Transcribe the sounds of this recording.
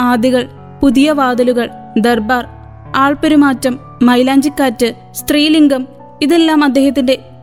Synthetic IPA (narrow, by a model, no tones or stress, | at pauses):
aːd̪iɣɐɭ | puðijɐʋaːd̪ɐluɣɐɭ | d̪ɐrbaːr | aːɭpeɾumaːtːɐmː | ɐjlaːɲd͡ʑikːaːtːɨ | st̪riːliŋɡum | iðe̞lːaːmɐd̪ːe̞ːhɐt̪ːinde̞